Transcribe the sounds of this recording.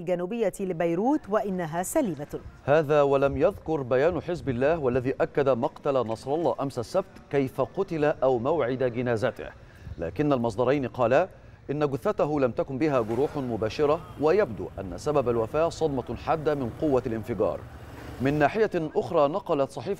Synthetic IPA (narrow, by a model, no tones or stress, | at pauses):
lɡanuːbɪjːalɪbajɾuːt̪waʔɪnːaɦaːsaliːmahaːðaːwalæmjɑðkʊɾbæjaːnħɪzbɪlːaːhwalːæðiːʔakːad̪amɑqt̪alanɑsˤɾˤɑlˤːɑːʔamsasːab̚t̪kajfaqʊt̪ɪlaʔæwmawʕɪd̪aɡɪnæːzæt̪ɪ̰h | la̰ːkɪnːalmɑsˤd̪ˤɑɾˤɑjnqɑːla | ʔɪnːaɡʊθːæt̪aɦʊlamt̪akʊmbɪɦæːɡʊɾuːħmʊbaːʃɪɾˤɑwajab̚d̪ṵːʔanːa̰sababalwafaːʔsˤɑd̪mɑħad̪ːamɪnqʊwːalʔɪnfɪɡɑ̰ːɾˤ | mɪnːaːħɪjaʔʊxɾˤɑːnɑqɑlɑt̪sˤɑħiːf